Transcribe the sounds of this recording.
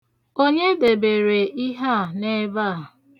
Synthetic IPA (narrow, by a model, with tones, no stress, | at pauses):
o˦ɲe˦de˨be˨ɾe˨i˦ɦa˦˨ne˦va˦˨